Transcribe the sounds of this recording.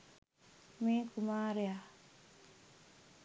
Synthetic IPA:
mekumaːɾija

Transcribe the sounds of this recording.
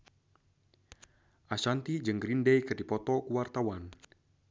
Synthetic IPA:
ʔasant̪id͡ʒɨŋɡɾindɛjkɨrdipɔt̪ɔkuwart̪awan

